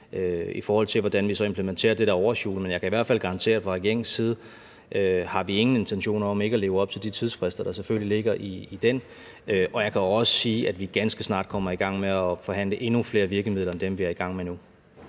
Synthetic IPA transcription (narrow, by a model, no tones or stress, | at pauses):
øifɒːhɒ̽l̰t͡sʰe̝lʋɒd̥ænʋisɒ̽e̝mpʰləment͡sʰe̝̰ːɐd̥e̝ɾ̥æɒʊɐɕo̝̰ːlmenjɑ̈kʰæiʋæɐ̰dfælɡ̥ɑ̈ʁɑ̈nt͡sʰe̝̰ːɐfʁɑ̈eɡ̥jeŋ̰siːð̞̩ˠ | ʔøhɑ̈ʋie̝ŋn̩e̝nt͡sʰenɕo̝̰ːnɐɒ̽me̝ɡ̥ɐle̝ːʊɒ̽b̥̚t͡sʰeld̥it͡sʰið̞ˠsfʁɛsd̥ɐd̥ɑ̈seføl̰lile̝ɡ̥ɐʔiːd̥en | øʔɒ̽jɑ̈kʰæɒ̽sə̥siːʔæd̥ʋiɡ̥ænsɡ̥əsnɑ̰̈ːd̥kʰɒ̽m̰ɐiɡ̥ɑ̈ŋ̰meæfɒ̽ɦæn̰ləʔe̝nufle̝ːɐʋiɐɡ̥əmið̰ˠlɐend̥emʋiæɐiɡ̥ɑ̈ŋ̰menu